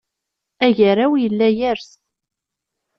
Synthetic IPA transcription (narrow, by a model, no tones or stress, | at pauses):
æʝəɾawjəlːæjæɾs